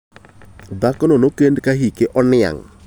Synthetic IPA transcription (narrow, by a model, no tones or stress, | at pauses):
d̪akɔnɔnokendkaɦikeʔɔnɪa̰ŋ